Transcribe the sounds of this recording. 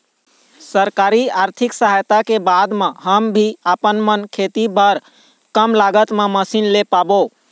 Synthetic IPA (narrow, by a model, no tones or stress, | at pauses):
səɾkaɾiaɾt̪ʰiksəɦajt̪akebad̪mẽɦəmbʱiəpənmənkʰet̪ibʱəɾ | kəmlaɡət̪mẽməsinlepabo